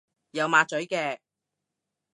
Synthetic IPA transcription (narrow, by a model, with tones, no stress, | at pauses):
jɐ˨˧wmaː˨˧t̚t͡ʃɵ˨˥ɥkɛː˧